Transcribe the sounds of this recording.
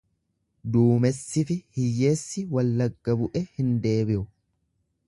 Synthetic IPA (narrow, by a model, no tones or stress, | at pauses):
d̪uːmɛsːɪfɪhɪjːe̞ːsːɪwɐlːɐɡːɐbʊʔɛhɪnd̪e̞ːbɪʔʊ